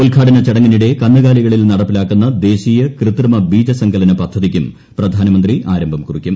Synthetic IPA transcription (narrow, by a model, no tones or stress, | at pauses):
ulkʰaːɽɐnɐt͡ɕɐɽɐŋːɐniɽe̞kɐnːɨɣaːliɣɐɭilnɐɽɐpːilaːkːunːɐd̪e̞ːɕiːjɐkrɨt̪rɨmɐbiːd͡ʑɐsɐŋɡʰɐlɐnɨpɐd̪ʱːɐðikʲːum | prɐd̪ʱaːnɐmɐnd̪riʔaːɾɐmbʱɐmkurikʲːum